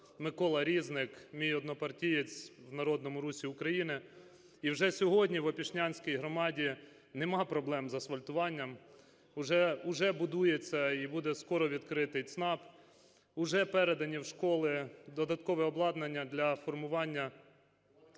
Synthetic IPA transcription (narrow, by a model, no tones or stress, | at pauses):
mɪkɔlˠɐɾʲiznɪkmʲijɔd̪nɔpɐrtʲijet͡sʲwnɐɾɔd̪nɔmʊɾusʲiʊkɾɐjinɪ | iwʒɛsʲɔɦɔdʲnʲiʋɐpʲiʃnʲanʲsʲkʲijɦɾɔmɑdʲi | nɛmɑpɾɔblˠɛmzɐsʋɐlʲt̪ʊʋɑnʲːɐm | ʊʒɛʊʒɛbʊd̪ujet͡sʲːɐibud̪ɛskɔɾɔʋʲid̪kɾɪt̪ɪjt̪snɑp | ʊʒɛpɛɾed̪ɐnʲiwʃkɔlˠɪd̪ɔd̪ɐt̪kɔʋɛɔblˠɑd̪nɐnʲːɐd̪lʲɐfɔrmʊʋɑnʲːɐ